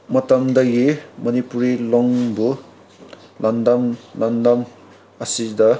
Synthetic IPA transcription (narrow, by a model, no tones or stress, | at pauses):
mʌt̪ɐmd̪ʌɡimʌnipuɾilɔŋbu | lʔɐnd̪ɐmlɐnd̪ɐm | ɐsid̪ʌ